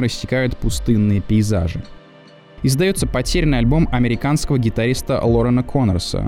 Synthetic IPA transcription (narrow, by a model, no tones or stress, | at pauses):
ɾəsʲːɪkajʊt̪pʊst̪ɨnːɨjəpʲɪɪza̰ʐɨ̰ | ɪzd̪ɐjo̞t̪səpɐtʲeɾʲnɨjɐlʲbo̞mɐmʲɪɾʲɪkanskəvəɡʲɪt̪ɐɾʲist̪ə̰lˠoɾənəkʰo̞nərsə̰